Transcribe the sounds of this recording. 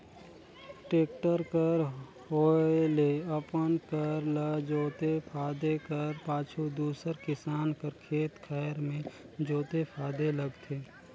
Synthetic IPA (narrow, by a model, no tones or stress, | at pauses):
ʈeːkʈəɾkəɾ | ɦoːeleɐpənkəɾləd͡ʒoːt̪epʰaːd̪ekəɾpaːt͡ʃʰud̪uːsəɾkɪsaːnkəɾkʰeːt̪kʰɛːɾmẽ | d͡ʒoːt̪epʰaːd̪eləɡt̪ʰeː